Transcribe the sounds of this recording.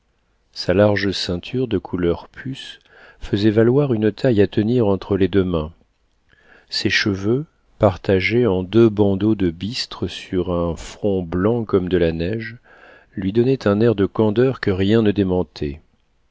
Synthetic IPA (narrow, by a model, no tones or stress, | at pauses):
salaʁʒəsɛ̃t̪ʰyʁd̪əkʰulœʁpʰys | fəzɛvalwaʁynət̪ʰajat̪əniʁɑ̃t̪χəled̪ømɛ̃ | sɛʃəvø | paʁt̪aʒeɑ̃d̪øbɑ̃d̪od̪əbist̪χəsyʁɛ̃fχɔ̃blɑ̃kɔmd̪əlanɛʒ | lɥid̪ɔnɛt̪ʰɛ̃nɛʁd̪əkɑ̃d̪œʁkəʁjɛ̃nəd̪emɑ̃t̪ʰɛ